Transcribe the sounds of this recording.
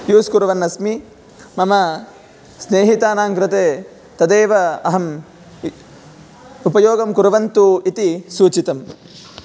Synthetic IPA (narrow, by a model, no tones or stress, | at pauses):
juːskuɾɐʋɐnːɐsmi | mɐmɐ | sneːɦit̪aːnaːŋkɾɪt̪eː | t̪ɐd̪eːʋɐɐɦɐm | upɐjoːɡɐmkuɾɐʋɐnt̪uit̪isuːt͡ʃit̪ɐm